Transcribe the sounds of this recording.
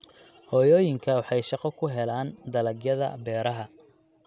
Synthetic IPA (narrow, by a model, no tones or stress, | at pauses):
hɔːjɔːjɪŋkʰɐwɑħɑjʃɑqɔkʰʊɦɛlaːnd̪ɐlɐɡjɐðɐ̰bɛːɾɐɦɐ